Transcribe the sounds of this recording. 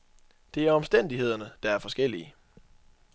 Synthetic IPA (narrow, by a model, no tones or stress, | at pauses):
d̥e̝æɐɒ̽msd̥en̰d̥iɦe̝ð̞̰ˠɐnəd̥ɑ̈æɐfɒ̽sɡ̥el̰iə